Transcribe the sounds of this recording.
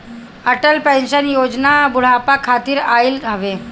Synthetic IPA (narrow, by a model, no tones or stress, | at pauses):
əʈəlpɛ̃nʃənjoːd͡ʒnabʊɽ̤apakʰːaːt̪iːɾailəʋe